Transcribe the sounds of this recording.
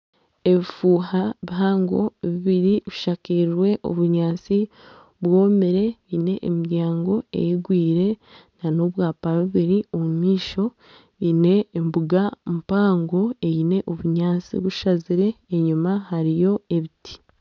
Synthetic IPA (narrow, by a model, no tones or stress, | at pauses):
e̞βifuːhaβiɦaːŋɡo̞̰βiβiɾiβiʃakiɾɾwe̞ʔo̰βuɲaːt͡si | βwo̞ːmeɾe̞βine̞ʔːmiɾjaːŋɡo̞e̞̰jiɡwiːɾe̞nano̞βwaːpaɾβuβiɾiomumiːʃo̞ | ine̞ːmbuɡamupaːŋɡo̞e̞jine̞ʔoβuɲaːt͡sḭβuʃaziɾe̞ːɲumahaɾijo̞e̞βitʰi̥